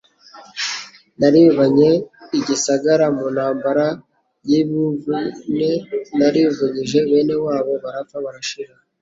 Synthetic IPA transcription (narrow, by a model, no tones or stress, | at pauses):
naɾiuβaɲe̞iɟisaɡaɾamunhaːmbaɾa | jiβivunenaɾiuvuɲiʒe̞βe̞ne̞waːβo̞βaɾafaβaɾaʃiɾa